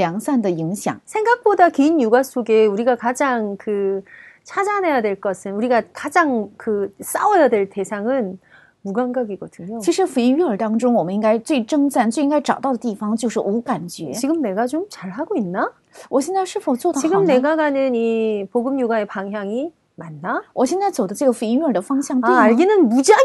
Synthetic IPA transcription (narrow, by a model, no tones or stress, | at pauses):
jɑŋsandəiŋɕjɑ̰ŋsʰe̞ŋɡak̚p͈odakiinjuɡasʰoɡeuɾiɡakad͡ʑaŋkɯt͡ɕʰad͡ʑane̞jadwe̞ɭk͈ʌsʰɯnuɾiɡakad͡ʑaŋkɯs͈awʌjadweɭte̞sʰaŋɯn | muɡaŋɡaɡiɡʌd̥ɯɲot͡ɕʰiʂɻ̩ɯfuiŋɥiətɑŋd͡ʑoŋwɔməniŋɡaɪt͡sweɪʈ͡ʂɤŋt͡ɕant͡ɕweiŋkaɪʈ͡ʂɑ̰ʊt̪ɑʊdət̪̬ifɑŋt͡ɕjoʂɻ̩ʔukant͡ɕy̰t͡ɕiɡɯmne̞ɡat͡ɕomt͡ɕaɭɦaɡoinːa | wʔɔɕʰinaʂɻ̩fʰoʊt͡swod̪ət͡ɕiɡɯmneɡaɡanɯnipoɡɯmɲuɡaepaŋjaŋi | manːawʌɕʰinant͡sodət͡ɕeɡəfuiŋɥiədəfɑŋɕjaŋtaweaɭɡinɯnmud͡ʑa